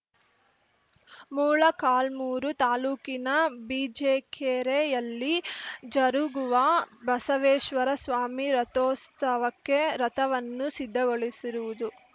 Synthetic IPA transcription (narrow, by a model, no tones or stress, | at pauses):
muːɭɐkaːlmuːɾut̪aːluːkinɐbiːd͡ʒeːkʰeːɾejɐlːid͡ʒɐɾuɡuʋɐbɐsɐʋeːʃʋɐɾɐsʋaːmiɾɐt̪oːst̪ʰɐʋɐkːe̞ɾɐt̪ɐʋɐnːusid̪ʱːɐɡoɭisiɾuʋud̪u